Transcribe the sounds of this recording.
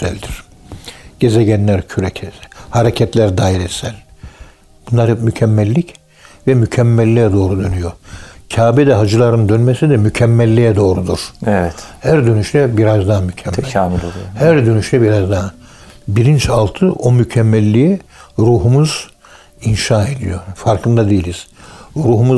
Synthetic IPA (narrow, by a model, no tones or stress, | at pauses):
sælʲd̪iɾ̥ | ɟ̥ezeɟɛnlʲæɾcʰyɾɛcʰɛshaɾecʰɛt̪lʲæɾd̪aːiɾɛsælʲ | b̥unˠaɾhɛpmycʰɛmːɛlʲːic | vɛmycʰɛmːɛlʲːijɛd̪o̞ːɾud̪ønyjocʰaːbɛd̪ɛɦad͡ʒɯlˠaɾɯnd̪ønmesid̪ɛmycʰɛmːɛlʲːijɛd̪o̞ːɾud̪uɾ̥ɛvɛt̪hæɾd̪ø̞nyʃt̪ʰɛbiɾazd̪aɦmycʰɛmːɛmlohæɾd̪ø̞nyʃt̪ʰɛbiɾazd̪a | biɾint͡ʃʰalˠt̪ʰɯʔo̞mycʰɛmːɛlʲːijɛɾuːɦumuz | inʃaːe̞d̪ḭjofaɾkʰɯnd̪ad̪ejilʲiz̥ɾuːɦumu